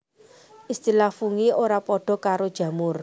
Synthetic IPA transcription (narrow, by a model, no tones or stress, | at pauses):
ʔist̪ilafuŋioɾapɔɖ̥ɔ̤kaɾod̥ʒ̥ä̤mʊr